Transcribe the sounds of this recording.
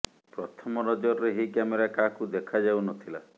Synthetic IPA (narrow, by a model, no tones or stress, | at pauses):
pɾɔt̪ʰɔmɔɾɔd͡ʒɔɾɾeɦikameɾakakud̪ekʰad͡ʒawnɔt̪ʰila